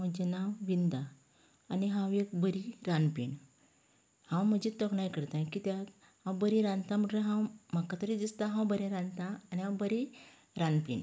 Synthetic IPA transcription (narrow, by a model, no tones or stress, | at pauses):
məd͡ʑenawʋind̪aː | niɦãwekbəɾiɾanpḭɳ | hãwməd͡ʑit̪əkɳajkəɾt̪ãkit̪ja | hãwbəɾĩɾãnt̪ãməʈə̃ɦãwm̤akat̪əɾid̪ist̪ãɦãwbəɾẽɾãnt̪ãaniɦãwbəɾi | ɾanpḭɳ